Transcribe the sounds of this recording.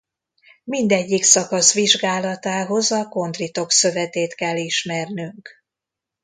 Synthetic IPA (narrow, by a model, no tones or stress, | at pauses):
mind̪ɛɟːiksɒkɒsʋiʒɡaːlɒt̪aːɦo̞zɒko̞nd̪rit̪o̞ksø̞vɛt̪eːt̪kɛlːiʃmɛrnyŋk